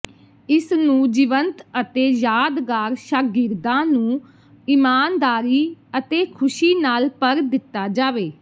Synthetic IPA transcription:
ɪsnũːd͡ʒɪʋənt̪ət̪eːjaːd̪ɡaːɾʃaːɡɪɾd̪ãːnũː | ɪmaːnd̪aːɾiːət̪eːkʰʊʃiːnaːlpəɾd̪ɪt̪ːaːd͡ʒaːʋeː

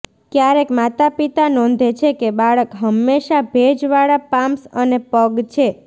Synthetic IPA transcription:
kjaɾekmat̪apit̪anɔ̃nd̪ʱet͡ʃʰekebaɭəkɦəmːeʃabʱed͡ʒʋaɭapamsənepəɡt͡ʃʰe

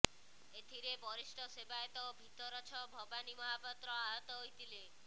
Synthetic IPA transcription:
et̪ʰiɾebɔɾisʈʰɔsebaet̪ɔobʱit̪ɔɾɔt͡ʃʰɔbʱɔbanimɔɦapɔt̪ɾɔaɦɔt̪ɔɦojt̪ʰile

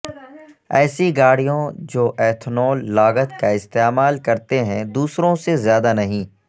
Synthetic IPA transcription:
ɛ̰ːsiɡaːɽijõd͡ʒoːʔɛːt̪ʰnoːlːaːɡət̪kaɪst̪eːmaːlkɐɾt̪eɦɛ̃d̪uːsɾõsezjaːd̪anɐɦĩː

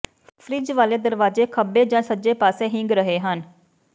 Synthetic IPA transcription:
pʰɾiːd͡ʒʋaːleːd̪əɾʋaːd͡ʒeːkʰəbeːd͡ʒãːsəd͡ʒeːpaːseːɦɪŋɡɾəɦeːɦən

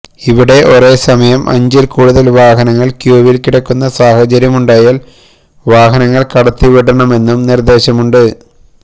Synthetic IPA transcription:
iʋiɽe̞ʔo̞re̞ːsɐmɐjɐmʔɐ̰ɲd͡ʑilkuːɽuðɐlʋaːɦɐnɐŋːɐɭkjuːʋilkiɽɐkːunːɐsaːhɐt͡ɕɐɾjɐmuɳɖaːjaːl | ʋaːɦɐnɐŋːɐɭkɐɽɐt̪ːiʋiɽɐɳɐme̞nːumnird̪e̞ːɕɐmuɳɖɨ

